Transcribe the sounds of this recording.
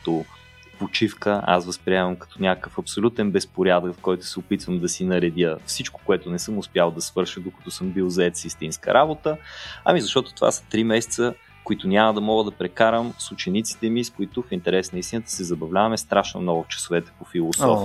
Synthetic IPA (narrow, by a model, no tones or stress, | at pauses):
t̪o | pot͡ʃifkəa̰svəspɾiɛmɐmkɐ̥t̪ɔnʲjakəkəfɐpsolʲut̪ɛnbɛspoɾjad̪əkfkɔjt̪ʊ̥sɛopit̪vəmd̪ɐsinɐɾɛd̪ʲjəfsit͡ʃko̥koɛt̪ʊnɛsɤmʊspjalˠd̪ɐsvɤɾʃəd̪okɐ̥t̪ɔsɤmbilˠzɐɛt̪sist̪inskə̰ɾʔabot̪əɐ̰mizɐʃt̪ɔt̪ʊ̥t̪ova̰sə̥t̪ɾimɛsɛ̥t̪sə | koit̪ʊnʲaməd̪ɐmɔɡəd̪ɐpɾɛkaɾəmsʊt͡ʃɛnit̪si̥t̪ɛmiskʊit̪ʊfint̪ɛɾɛsnəist̪inət̪ə̥sɛzɐbɐvlʲavɐmɛst̪ɾaʃno̰mnɔɡʊft͡ʃɐ̥sovɛt̪ɛ̥pofilˠosɔ̰f